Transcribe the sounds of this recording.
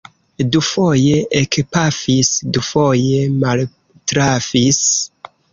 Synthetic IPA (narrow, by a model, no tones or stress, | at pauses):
dufojeʔekpafisdufojemal | tɾavis